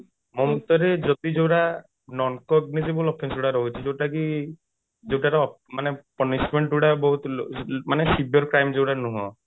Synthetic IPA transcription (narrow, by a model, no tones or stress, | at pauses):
mɔut̪ɔɾed͡ʒɔt̪id͡ʒewɾa | nɔnkɔɡ̚nis̬ibɔlɔpʰensuɽaɾɔɦut͡ʃʰid͡ʒewʈaki | d͡ʒewʈaɾɔɔmanepɔnismeɳʈuɽabɔɦut̪manesibɔɾkɾajmd͡ʒewɽanuɦɔ̰̃